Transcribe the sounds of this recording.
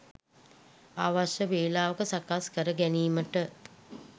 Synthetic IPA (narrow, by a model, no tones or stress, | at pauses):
aːʋaʃəʋeːlaːʋəkəsakaskəɾəɡæniːməʈə